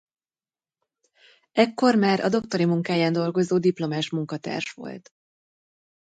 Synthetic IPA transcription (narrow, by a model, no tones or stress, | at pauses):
ɛkːo̞rmaːɾʔɒ̰d̪o̞kt̪o̞ɾimuŋkaːjaːnd̪o̞lɡo̞zoːd̪iplo̞maːʃmuŋkɒt̪a̰ːrʃʋo̞̰lt̪